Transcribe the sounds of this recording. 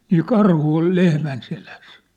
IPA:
niː kɑrhu ol lehmæn selæs

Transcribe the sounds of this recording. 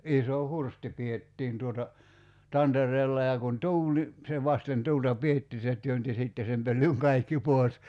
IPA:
iso hursti pietːiːn tuotɑ tɑnterˑeːlːɑ jɑ kun tuːl ni se ʋɑsten tuːltɑ pietːi se tyønti siˑtːe sem pølːyŋ kɑikːi poˑes

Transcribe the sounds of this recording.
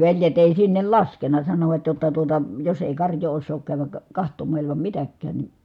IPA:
ʋeljet eˑi sinːel lɑskenɑ sɑnoʋɑt jotːɑ tuotɑ jos eˑi kɑrjoː osːoːk kæːʋæk kɑhtomˑɑˑ ilimɑm mitækːæːn ni

